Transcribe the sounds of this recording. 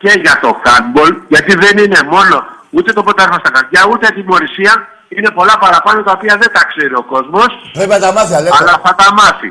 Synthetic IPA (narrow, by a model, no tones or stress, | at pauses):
ce̞ʝɐt̪o̞xɐnbo̞lʝɐt̪iðe̞nine̞mo̞no̞ | ut̪e̞t̪opot̪ɐeɾxost̪ɐkɐɾʝɐut̪et̪imo̞ɾisiɐ | ine̞po̞lɐpɐɾɐpɐno̞t̪ɐopiɐðe̞nt̪ɐkseɾio̞ko̞zmo̞spɾepiɐt̪ɐmɐθiɐlɐlɐθɐt̪ɐmɐθḭ